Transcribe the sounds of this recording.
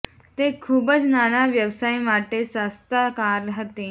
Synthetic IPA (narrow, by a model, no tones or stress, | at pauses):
t̪ekʰuːbət͡snanaʋjəʋsaimaʈesast̪akaɾɦət̪e